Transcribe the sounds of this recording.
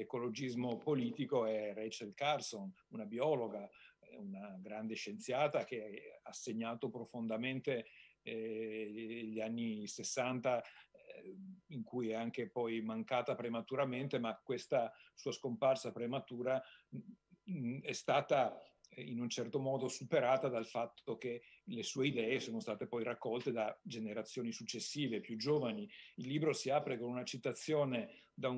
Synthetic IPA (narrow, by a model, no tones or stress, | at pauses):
ekolod͡ʒizmopoliːt̪ikoɛrɛt͡ʃelkarson | unabiɔloɡaunaɡɾand̪eʃent̪sjaːt̪ak̟easːeɲːaːt̪opɾofond̪ament̪e | ʎːanːisesːant̪a | iŋkujɛaŋkepɔjmaŋkaːt̪apɾemat̪uɾament̪emakːwest̪asuːaskomparsapɾemat̪uːɾa | ɛst̪aːt̪ainunt͡ʃɛrt̪omɔːd̪osupeɾaːt̪ad̪alfat̪ːok̟elesuːeid̪ɛːesoːnost̪aːt̪epɔjrakːɔlt̪ed̪ad͡ʒeneɾat̪sːjoːnisut͡ʃːesːiːvepjud͡ʒoːvaniilːiːbɾosiaːpɾekonunat͡ʃit̪at̪sːjoːned̪a